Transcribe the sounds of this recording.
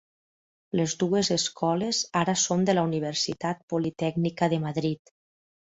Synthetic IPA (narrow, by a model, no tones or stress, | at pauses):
lezd̪uezeskʰɔlezaɾəsond̪əlauniβ̞əɾsit̪at̪̚pulit̪ɛɡnikəðəmaðɾit̪